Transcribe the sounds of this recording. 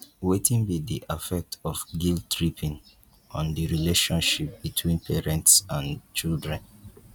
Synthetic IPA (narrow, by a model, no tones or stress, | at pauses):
wetʰĩnbidiʔafɛk̚tɔfɡildtɹipʰĩn | ɔ̃ndiɹileʃɔ̃nʃip̚bitʰwĩnpʰɛɹɛ̃ntsãnt͡ʃildɹɛ̃n